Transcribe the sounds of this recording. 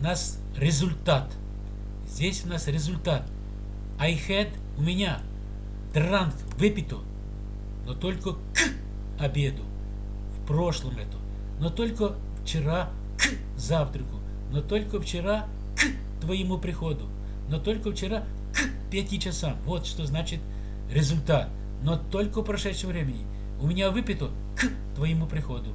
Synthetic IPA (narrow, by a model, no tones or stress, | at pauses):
nas | rʲɪzʊlʲt̪at̪ | zʲdʲesʲʊnasɾʲɪzʊlʲt̪at̪ | ɐjxɛd̪ | ʊmʲɪnʲa | d̪rank | vɪpʲɪt̪ʊ | not̪olʲkə | kɨ | ɐbʲed̪ʊ | fpɾoʂlˠəmɛt̪ʊ | not̪olʲkə | ft͡ʃɪɾa | k | zaft̪ɾəkʊ | not̪olʲkəft͡ɕɪɾa | k | t̪vɐjɪmupɾʲɪxod̪ʊ | not̪olʲkəft͡ɕɪɾa | k | pʲat̪ʲit͡ɕɐsamvot̪ʂt̪oznat͡ɕɪt̪ʲ | ɾʲɪzʊlʲt̪at̪̚ | not̪olʲkəpɾɐʂɛt̪ʂəmvɾʲemʲɪnʲɪ | ʊmʲɪnʲavɨpʲɪt̪ʊ | k | t̪vɐjɪmupɾʲɪxod̪ʊ